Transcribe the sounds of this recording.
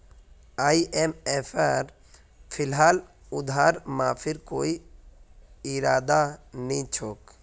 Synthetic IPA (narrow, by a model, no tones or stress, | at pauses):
aːiʔemefʰaɾ | pʰɪlɦaːl | ʊd̪ʱaːɾmãːpʰɪɾkoːi | ɪɾaːd̪anĩt͡ʃʰoːk